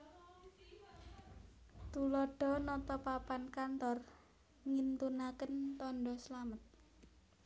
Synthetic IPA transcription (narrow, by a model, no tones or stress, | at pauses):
t̪ulɔɖ̥ɔ̤nɔt̪ɔpapankant̪ɔr | ŋint̪unakənt̪ɔnɖɔslamət̪̚